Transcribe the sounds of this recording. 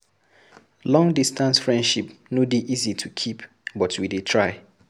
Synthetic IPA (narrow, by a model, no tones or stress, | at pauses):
lɔ̃ŋdistãnsfɹɛ̃ndʃipnodiʔizitʰukʰip | bɔtwidetʰɹaɪ